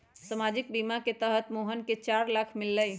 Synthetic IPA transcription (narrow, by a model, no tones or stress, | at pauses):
səmad͡ʒik̚bimaket̪əɦət̪moɦənket͡ʃaɾlakʰmilːəj